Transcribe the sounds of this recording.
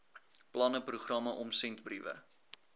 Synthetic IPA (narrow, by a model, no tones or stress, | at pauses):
plɐnəpruχrɐməʔɔmsɛntbrivə̰